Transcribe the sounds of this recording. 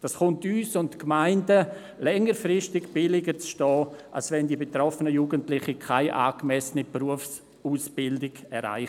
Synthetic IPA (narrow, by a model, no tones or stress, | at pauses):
d̥asχʊntyːsʊntkmaɪndə | lɛŋəɾfrɪʃtɪɡb̥ɪlɪɡət͡sʃtɔːʔa̰lsvɛndibetɾɔfənəjuːɡəntlɪχikʰaɪʔa̰ːɡmɛsənipruəfs | uːsb̥ɪldɪɡɛɾa̰ɪ